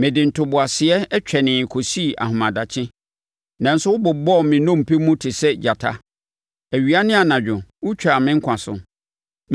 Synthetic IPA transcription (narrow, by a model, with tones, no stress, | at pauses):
mɪ̃˨dɪ˨n̩˨tʰʊ˨bʊ˨a˨sɪ˨ɛ˦t͡ɕᶣʰɛ˨nɪ̃˨kʰɔ˨si˦˨ʔa̰˨ɦʊ̃˨mã˨da˨t͡ɕʰɪ̃˦ | nã˨n̩˦sʊ˦wʊ˦bʊ˨bɔ˦˨mɪ̃˨nɔ̃˦˨m̩˨pʰe˦mũ˦tʰɪ˨sɛ˦d͡ʑa˨tʰa˦ | æ˨ɥi˨a˦nɪ̃˦a˨nã˨d͡ʑᶣʊ̃˨wʊ˦t͡ɕᶣa˨mɪ̃˦ŋ̩˦kʷʰã˨sʊ̰˨